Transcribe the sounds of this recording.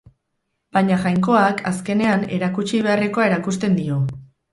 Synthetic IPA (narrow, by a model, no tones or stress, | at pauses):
baɲaʝajŋko̞akʰaske̞ne̞ane̞̰ɾakut͡ʃiβ̞e̞areko̞ae̞ɾakust̪e̞nd̪io̞